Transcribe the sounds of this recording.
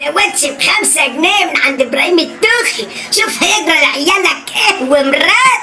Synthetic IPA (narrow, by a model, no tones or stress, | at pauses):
awæd̪tibxamsaɡnemɪnʕand̪ɪbɾˤɑhiːmɪt̪ːʊːxi | ʃuːfhæjɪɡɾˤɑlʕjːalakʔɪhwɪmɾˤɑː